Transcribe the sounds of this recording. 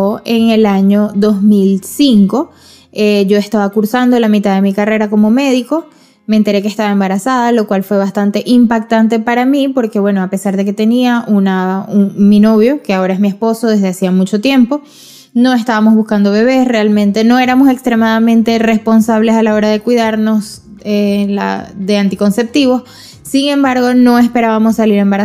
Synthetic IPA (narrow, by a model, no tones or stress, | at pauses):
eŋe̞laɲo̞ðo̞zmilsiŋko̞ | eʝo̞e̞st̪aβakuɾsand̪o̞lamit̪aðe̞mikare̞ɾako̞mo̞me̞ðiko̞ | meːnt̪e̞ɾe̞kest̪aβae̞mbaɾasaðalo̞kwalfwe̞βast̪ant̪e̞ʔimpak̚t̪ant̪e̞paɾamipo̞ɾke̞βwe̞no̞ape̞saɾðe̞ke̞t̪e̞niaʔunaumino̞β̞jo̞ke̞ao̞ɾae̞zmiespo̞so̞ðe̞zðe̞asiamut͡ʃo̞t̪je̞mpo̞ | no̞e̞st̪aβamo̞zβuskand̪o̞βe̞β̞e̞sre̞almẽnt̪e̞no̞e̞ɾamo̞se̞kst̪ɾe̞maðamẽ̞nt̪e̞re̞spo̞nsaβ̞le̞salao̞ɾaðe̞kwiðaɾno̞s | ela̰ðe̞ant̪iko̞nse̞p̚t̪iβo̞s | siŋẽ̞mbaɾɣo̞no̞e̞spe̞ɾaβamo̞sːaliɾe̞mbaɾa